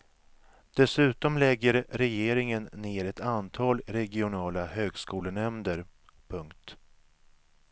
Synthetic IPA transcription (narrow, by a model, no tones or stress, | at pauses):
d̪̥ɛsʉ̟ːt̪ɔmlɛɡːəɾɾɛjeːɾɪŋənːeːɾɛt̪ant̪ʰɑːlɾɛɡɪʊnɑːlahøːɡskuːlənɛmd̪əɾ | pʰɵŋkt̪